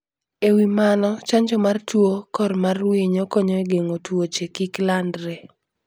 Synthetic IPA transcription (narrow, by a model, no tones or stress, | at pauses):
ewimanɔt͡ʃaɲd͡ʒɔmartwokɔrmarwiɲokɔɲɔeɡeŋotwot͡ʃekiklandɾe